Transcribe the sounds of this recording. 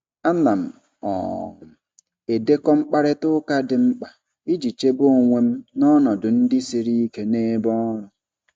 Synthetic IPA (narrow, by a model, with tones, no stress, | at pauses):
a˦na˨m̩˨ | ɔ̰˨ŋʊ˨m̩˨ | e˨de˦kɔ˦m̩˦k͡pa˦ɾɪ˦tʊ˦ka˦dɪ˨ŋ͡m̩˦k͡pa˨ | i˦d͡ʒi˨t͡ʃe˦bo˦˨ŋʷe˦m̩˦nɔ˦nɔ˨dʊ˨n̩˦dɪ˦si˨ɾi˦i˦ke˦ne˦bɔ˦ɾʊ˨